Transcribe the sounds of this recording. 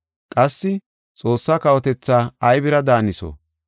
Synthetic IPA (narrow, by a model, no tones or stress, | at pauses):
kʼɐsːɪ | t͡sʼo̞ːsːaːkɐwɔt̪ɛt͡sːaːɐjbɪɾɐd̪aːnɪso̰